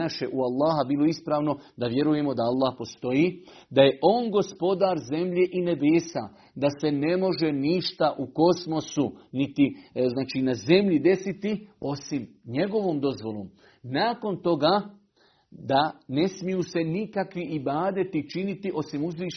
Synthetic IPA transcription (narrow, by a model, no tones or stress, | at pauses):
aʃjeʔualˠːaːɦabiːlˠo̞ispɾaːʋno̞d̪aʋje̞ɾuje̞mo̞d̪aalˠːaːhpo̞st̪o̞jiː | d̪aje̞ʔo̞ːnɡo̞spo̞d̪aːɾze̞mʎe̞ʔine̞beːsa̰ | d̪ase̞ne̞mo̞ʒe̞niʃt̪aʔuko̞smo̞sunit̪iznaːt͡ʃiːnaze̞mʎid̪e̞sit̪io̞simɲe̞ɡo̞ʋoːmd̪o̞zʋo̞loːm | naːko̞nt̪o̞ɡaː | d̪ane̞smijuːse̞nikakʋiʔibaːd̪et̪it͡ʃinit̪iʔo̞simuzʋiː